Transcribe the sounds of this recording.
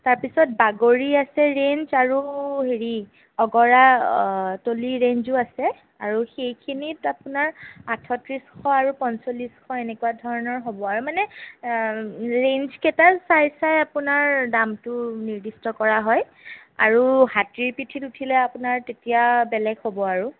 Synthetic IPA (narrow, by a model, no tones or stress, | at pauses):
taɹpisɔt̚baɡoɹiasɛɹenzaɹuɦeɹi | ɔɡɔɹa | toliɹend͡ʒʊasɛ | aɹuxejkʰinitapunaɹatʰɔtɹisxʰɔaɹupɔnsoliskʰɔenɛkuadʱɔɹɔnɔɹɦobɔaɹumanɛ | ɹend͡ʒkɛtasajsajapunaɹdamtʊniɹdistɔkɔɹaɦɔj | a̰ɹuhatɹiɹpitʰitutʰilɛapʊnaɹtetijabɛlɛɡhobɔaɹu